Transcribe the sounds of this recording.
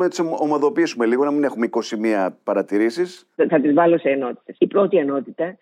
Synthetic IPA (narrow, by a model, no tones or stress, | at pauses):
enɐt̪isomɐðo̞pisume̞liɣo̞nɐmine̞xumeiko̞simiɐpɐɾɐt̪iɾisis | θɐt̪izvɐlo̞seːno̞t̪i̥t̪e̞sipɾo̞t̪ieno̞t̪it̪ɐ